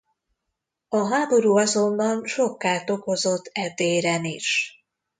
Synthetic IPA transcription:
ɒɦaːbo̞ɾuːɒzo̞nːɒnʃo̞kːaːt̪o̞ko̞zo̞t̪ʰːɛd̪eːɾɛniʃ

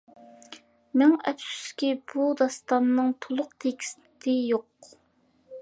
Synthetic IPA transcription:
mæŋɛ̰psy̥skʲib̥ud̪ɑst̪ɑnːɨŋt̪ʰolˠʊqt̪ʰekʲʰi̥st̪ɪt̪ʰɪjoq

